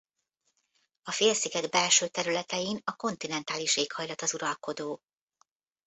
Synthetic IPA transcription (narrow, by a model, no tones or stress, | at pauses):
ɒfeːrsiɡɛɡbɛlʃøːt̪ɛɾylɛt̪ɛjinɒko̞nt̪inɛnt̪aːliʃeːkhɒjlɒt̪ɒzuɾɒlko̞d̪oː